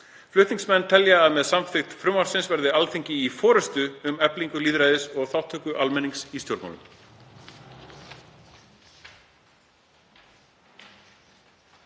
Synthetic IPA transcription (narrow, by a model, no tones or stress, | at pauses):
flʏht̪niŋsmɛnːt̪ʰɛljaːðmɛðsamfɪxt̪fɾʏmːaɾ̥sɪnsvɛɾðɪalθeɲcɪifɔːɾɛst̪ʏːmɛpliŋkʏliːðɾajðɪsɔɣθawht̪ʰœːhkʏʔalmɛnːiŋksist̪jowɾpma̰lʏ̰m